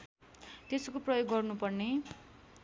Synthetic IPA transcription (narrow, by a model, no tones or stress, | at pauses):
t̪eskoprʌjoɡːʌrnupʌrne